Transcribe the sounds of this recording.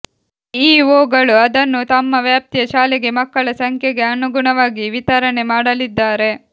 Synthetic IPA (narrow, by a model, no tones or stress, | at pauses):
iːʋoːɡɐɭuɐd̪ɐnːut̪ɐmːɐʋjaːp̚t̪ijɐʃaːleɡe̞mɐkːɐɭɐsɐŋkʰjeɡe̞ɐnuɡuɳɐʋaːɡiʋit̪ɐɾɐɳe̞maːɽɐlid̪ːaːɾe̞